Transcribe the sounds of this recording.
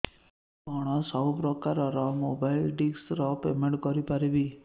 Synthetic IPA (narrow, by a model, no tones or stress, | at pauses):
bɔɽ̃ɔsɔɦpɾɔkaɾɔɾɔmobailɖiksɾɔpemeɳʈkɔɾipaɾibi